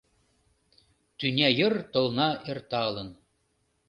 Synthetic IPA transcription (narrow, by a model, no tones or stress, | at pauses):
t̪ynʲæjɤ̆rt̪ŏlˠnɑʔert̪ɑlˠɤ̆n